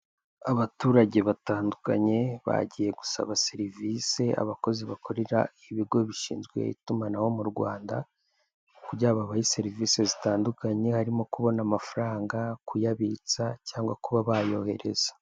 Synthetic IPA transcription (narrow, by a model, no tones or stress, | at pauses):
aβatuːɾaɟe̞βataːnduka̰ɲe̞βa̰ɟije̞ɡu̥sa̰βaseɾivise̞a̰βako̞ziβakʰo̞ɾeɾa̰iβiɡo̞βiʃḭːnzɡwḛḭtumanaho̞muɾɡwaːnda̰ | kuɾɟaβaβaise̞ɾiviːse̞zitaːndukaɲe̞haɾimo̞kuβo̞namafaɾaːŋɡakujaβit͡sacaːŋɡwakuβaβajo̞he̞̰ɾe̞̰z̥ḁ